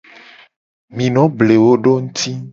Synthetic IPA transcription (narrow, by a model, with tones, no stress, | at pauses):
mĩ˨nɔ̃˨˦ble˨wo˦ɖo˦ŋũ˦t̪ʰi˦